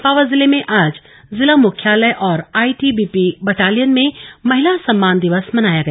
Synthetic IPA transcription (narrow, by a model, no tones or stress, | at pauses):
paːʋəzɪlemẽʔaːd͡ʒ | zɪlamʊkʰjaːləʔɔːɾaːiʈibiːpibɐʈaːlijənmẽmɐɦɪlasɐ̃mːaːnd̪ɪʋəsmɐnaːjaɡɐja